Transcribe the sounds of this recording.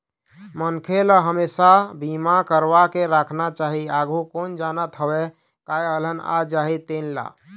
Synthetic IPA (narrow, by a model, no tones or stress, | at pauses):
mənkʰeləɦəmesabimakəɾbakeɾakʰnat͡ʃaɦiaɡʱukond͡ʒanət̪ɦəbe | kajələna̰d͡ʒaɦit̪enla̰